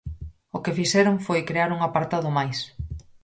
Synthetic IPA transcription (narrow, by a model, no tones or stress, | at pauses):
ʊkɪfiʃɛɾʊŋfojkɾeaɾuŋapaɾt̪aðʊmajs